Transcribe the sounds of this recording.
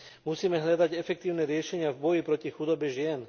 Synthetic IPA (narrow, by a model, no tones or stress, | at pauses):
musiːmɛɦʎad̪aɟɛfɛk̚t̪iːʊnɛɾɪɛʃɛɲɪavbɔjipɾɔcixud̪ɔbɛʒɪɛn